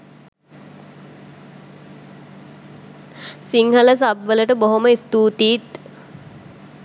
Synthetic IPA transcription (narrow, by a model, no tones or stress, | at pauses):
siŋhələs̬abʋələʈəboɦoməist̪uːt̪iːt̪